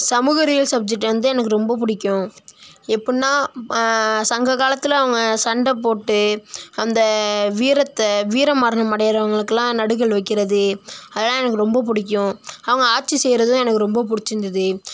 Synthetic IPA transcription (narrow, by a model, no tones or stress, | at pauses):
sɐmuːɣɐɾɪjɐlsɐb̚d͡ʒɛk̚ʈːʋɐnd̪ɯɛnɐk̬ːɯɾɔmbɐp̬ʊɽɪkʲːʊ̃ | ɛpːɐɽɪnːaː | sɐŋɡɐɣaːlɐt̪ːɪlɐʋɐŋɡɐsɐɳɖɐpoːʈːɯɐnd̪ɐʋiːɾɐt̪ːɐʋiːɾɐmɐɾɐɳɐmɐɽɐjɐɾɐʋɐŋɡɐɭɯkːɯlãːnɐɽɯɣɐɭʋɐɪkːɪɾɐðɯɐðɐlːãːɛnɐkːɯɾɔmbɐp̬ʊɽɪk̬ʲːʊ̃ɐʋɐŋɡɐaːʈ̚t͡ʃːisɛjɾɐðʊ̃ɛnɐkːɯɾɔmbɐp̬ʊɽɪt͡ʃːɪnd̪ɐðɯ